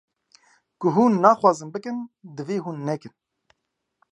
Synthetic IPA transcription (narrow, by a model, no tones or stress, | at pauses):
kʊɦuːnːɑːxwaːzɨnbɨkɨnd̪ɨveːɦuːnːɛkɨn